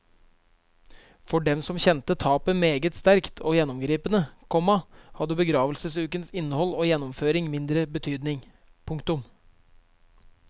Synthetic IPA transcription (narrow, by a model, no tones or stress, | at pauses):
fɔɖɛmsɔmçɛnt̪ət̪ʰɑːpəmeːɡət̪st̪æɾkt̪ʰoːjɛnːɔmɡɾiːpənəkʰɔmːɑhɑd̪əbəɡɾɑːʋəlsəsʉːkənsɪnːəhɔlːoːjɛnːɔmføːɾɪŋmɪnd̪ɾəbət̪ʰyːd̪nɪŋ | pʰʊŋkt̪ʊm